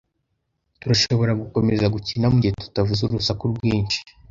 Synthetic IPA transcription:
tuɾaʃo̞βo̞ɾaɡuko̞me̞zaɡucinamuɟietu̥tavuzuɾusakuɾɡwiːnt͡ʃi̥

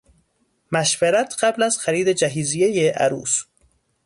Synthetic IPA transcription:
mæʃveɾæt̪ʰɢ̥æblæz̥xæɾiːd̪ed͡ʒæɦiːzijejeʔæ̰ɾṵːs

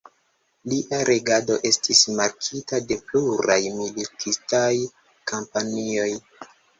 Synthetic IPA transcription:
liʔaɾʔe̞ɡado̞ʔe̞stismaɾkʰitade̞pluɾajmilitʰistaj | kʰampanio̞j

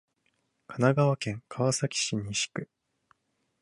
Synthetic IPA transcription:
kʰanaɡaβakẽ̞ŋkʰaβasakʲi̥ɕiɲ̟iɕi̥kɯ̟

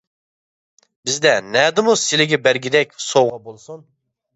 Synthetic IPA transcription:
bɪzd̪ɛnɛːd̪ɪmusɪlɪɡʲɛbæɾɡʲid̪ɛkʲsoʁɑbolˠsun

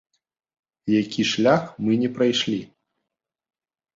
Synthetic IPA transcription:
jakʲiʂlʲaxmɨnʲɛpɾajʂlʲi

